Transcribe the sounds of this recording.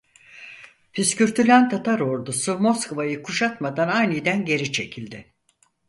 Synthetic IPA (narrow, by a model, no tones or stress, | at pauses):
fiscyɾt̪ʰylʲant̪ʰat̪ʰaɾo̞ɾd̪usumo̞skovajɯkʰuʃat̪mad̪anajnɯjd̪ænɟe̞ɾit͡ʃʰe̞cʰilʲd̪ɪ